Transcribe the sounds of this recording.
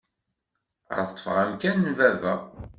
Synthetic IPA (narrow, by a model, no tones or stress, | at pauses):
ə̰ɾθət̪ːˤfəʁæmkænːvævæ